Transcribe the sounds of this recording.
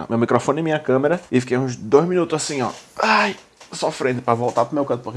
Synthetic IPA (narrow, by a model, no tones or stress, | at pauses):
mewmikɾofõnɐ̃mĩɲɐkɐ̃meɾɐɪfikejũʒd̪ojʒminut̪ʊzasĩɔ̰aj | sɔfɾẽnd̪pɾɐvowˠt̪aɾpɾʊmewkɐ̃t̪p